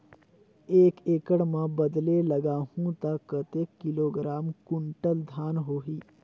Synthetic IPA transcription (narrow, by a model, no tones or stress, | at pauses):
eːkeːkəɽmãbəd̪leləɡaːhũt̪akːət̪eːkːɪloːɡɾaːmkʊ̃ɳʈəld̪ʱaːnɦoːɦiː